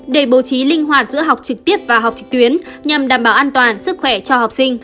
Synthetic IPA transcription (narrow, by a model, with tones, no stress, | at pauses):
ɗe˧˩ɓo˨˦t͡ɕi˨˦lï˧ŋ̟ɦwaː˨˩t̚zɨ̰˧˥əɦa˨˩wk͡p̚t͡ɕɨ˨˩k̚t̪i˦˥əp̚vaː˨˩ɦwk͡p̚t͡ɕɨ˨˩k̚t̪wi˨˦ənɲa˨˩mɗaː˧˩mɓaː˧˩ʔaː˧nt̪waː˨˩nsɨ˦˥k̚xwɛ˧˩t͡ɕɔ˧ha˨˩wk͡p̚sï˧ŋ̟